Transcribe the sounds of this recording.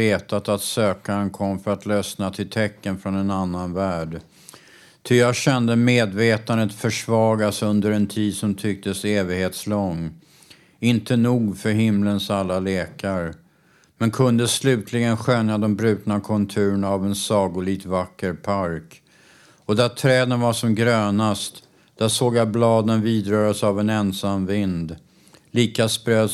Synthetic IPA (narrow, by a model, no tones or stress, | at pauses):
eːt̪at̪at̪søːkaɾənkʰɔmːfœɾat̪lœsnat̪ʰɪlt̪ʰɛkːənfɾɔnɛnanːanvæːɖ | t̪ʰʏjaːɡɕɛnd̪əmeːd̪veːt̪and̪ət̪fœʂvɑːɡasɵnd̪əɾɛnt̪ʰiːd̪sɔmt̪ʰʏk̚t̪əseːvɪɡheːt̪slɔŋː | ɪnt̪ənuːɡfœɾɦɪmlənsalːaleːkaɾ | mɛnkʰɵnd̪əslʉ̟ːt̪ʰlɪɡənɧœnːad̪ɛmbɾʉ̟ːt̪nakʰɔnt̪ʰʉ̟ːɾənaːvɛnsɑːɡʊliːɡt̪vakːəɾpʰaɾk | ɔd̪æt̪ʰɾɛːd̪ənvaʂɔmɡɾøːnast̪ | d̪̥æʂoːɡjablɑːd̪ənviːd̪ɾœːɾasavɛnɛnsamvɪnd̪ | liːkaspɾøː